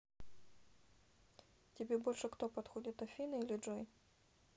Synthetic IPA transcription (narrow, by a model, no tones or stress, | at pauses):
tʲɪbʲɛbɔlʲʂɨkt̪ɔpɐt̪xɔdʲɪt̪ɐfʲinɨilʲɪd͡ʐɔj